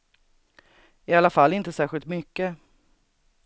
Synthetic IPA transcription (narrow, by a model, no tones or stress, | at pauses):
ɪalafalːɪnt̪əsæːɾɧɪlt̪mʏkːə